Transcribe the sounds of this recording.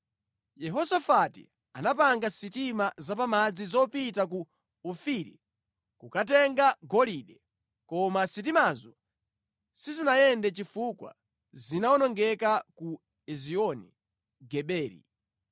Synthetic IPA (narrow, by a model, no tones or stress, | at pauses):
jɛɦɔsafatḭ | anapaŋɡasitimazapamad͡zizɔpitak̬u | ufiɾḭ | kukatɛŋɡaɡɔliɗɛ | kɔmasit̬imazɔ | sizinajɛndɛt͡ʃifukwa̰ | zinaɔnɔŋɡɛkaku | ɛziɔni | ɡɛɓɛːɾḭ